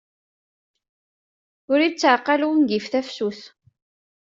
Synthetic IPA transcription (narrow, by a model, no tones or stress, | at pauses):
ʊɾit͡sːʕqːɑluwmɡifθæfsuθ